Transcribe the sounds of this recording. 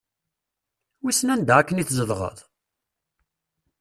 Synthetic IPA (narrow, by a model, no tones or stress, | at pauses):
wisənænd̪æækːəniθzəðˤʁə̰ðˤ